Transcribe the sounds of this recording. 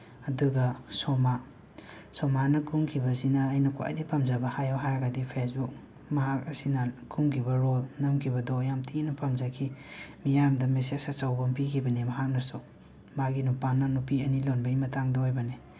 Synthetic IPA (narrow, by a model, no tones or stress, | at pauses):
ɐduɡɐsoma | somanɐkʰuŋkʰibɐsinɐːjnɐkwa̰jdipʰɐmzɐbɐhajoɦaɾɐɡɐdipʰes̬buk̚ | mɐɦak̚ɐsinɐkʰuŋkʰibɐɾolnɐmkʰibɐdojamtʰiinɐpʰɐmzakʰimijamdɐmesesat͡ʃawbɐmpikʰibɐnemɐɦak̚nɐso | maɡinupanːɐnupiɐnilonbɐjmɐtaŋdoojbɐne